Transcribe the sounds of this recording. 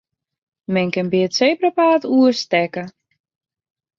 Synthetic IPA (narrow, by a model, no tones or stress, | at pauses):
mɛnkɪnbiəsejprəpaːtuəstɛkə